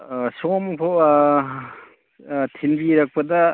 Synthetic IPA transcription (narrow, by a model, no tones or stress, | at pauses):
somkʰo | tʰinbiɾɐk̚pɐdɐ